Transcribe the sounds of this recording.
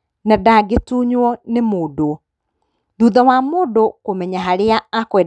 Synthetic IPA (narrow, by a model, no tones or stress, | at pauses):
nadaɡetuːɲwɔnemoːdo | ðuðawamoːdokomɛɲaɦaɾeaːkwɛ